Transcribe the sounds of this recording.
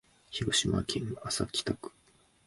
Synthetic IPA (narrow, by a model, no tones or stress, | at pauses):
çiɡoɕimakʰʲĩnasakʲi̥t̪akɯ̥